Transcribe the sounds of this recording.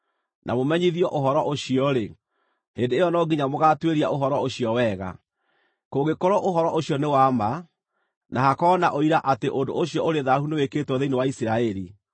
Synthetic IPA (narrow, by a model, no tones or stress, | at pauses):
nʔa̰momɛɲiðiɔʔoɦɔɾɔʔoɕiɔɾe | hendeːjɔnɔɡiɲamoɣaːtweɾia̰ʔoɦɔɾɔoɕiɔwɛːɣa̰ | koɣekoɾɔʔoɦɔɾɔʔoɕiɔnewaːma | nʔahakɔːnaʔoiɾaʔateʔondo̰oɕijɔoɾeðahuneweketwɔðeinewaisiɾaɛɾi